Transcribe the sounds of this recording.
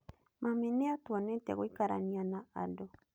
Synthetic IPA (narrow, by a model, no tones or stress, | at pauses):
mameneatwanɛtɛ̰ɣoikaɾa̰nianaadɔ